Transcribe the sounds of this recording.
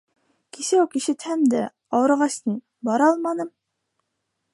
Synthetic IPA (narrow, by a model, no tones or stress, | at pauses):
kisæwkiʃɘ̆t̪hæmd̪æ | ɑwɤ̆ɾʁɑsnɤ | bɑɾɑlˠmɑnɤm